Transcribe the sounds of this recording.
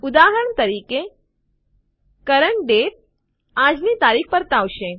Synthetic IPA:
ud̪aɦəɾəɳt̪əɾike | kəɾəɳʈ̚ɖeʈ̚ | ad͡ʒnit̪aɾixpəɾt̪aʋʃe

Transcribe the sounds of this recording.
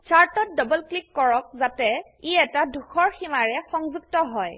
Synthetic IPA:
saɹtɔt̚dɔbɔlklikːɔɹɔk̚zatɛ | iɛtaduxʰɔɹximaɹɛxɔŋzuɡ̚tɔɦɔj

